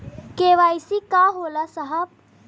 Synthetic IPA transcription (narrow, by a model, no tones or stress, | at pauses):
keːʋaːjsikaɦoːlasəɦəb̚